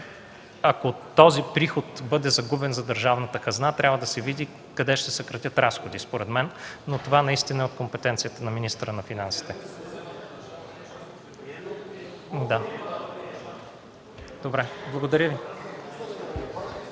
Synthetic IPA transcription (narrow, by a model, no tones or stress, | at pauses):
ɐkot̪ɔzipɾixot̪bɤd̪ɛzɐɡubɛnzɐd̪əɾʒavnət̪əkɐznat̪ɾʲavəd̪ɐsɛvid̪i | kɐd̪ɛʃt̪ɛsɐkɾɐt̪ʲət̪ɾasxod̪ispoɾɛd̪mɛnːot̪ovanɐist̪inɐɛot̪̚kompɛt̪ɛnt̪sijət̪ənɐminist̪əɾənɐfinansi̥t̪ɛ | d̪a | d̪̥obɾɛblˠɐɡod̪ɐɾʲjəvi